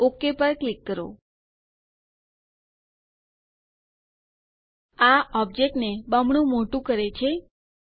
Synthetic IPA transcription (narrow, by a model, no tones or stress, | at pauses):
okepəɾklikːəɾo̰ | aɔb̚d͡ʒek̚ʈnebəmɳũmoʈũkəɾet͡ʃʰe